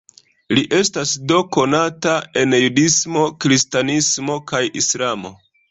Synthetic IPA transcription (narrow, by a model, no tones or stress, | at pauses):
liʔe̞stasdo̞ko̞natae̞njudismo̞kɾistanismo̞kajislamo̞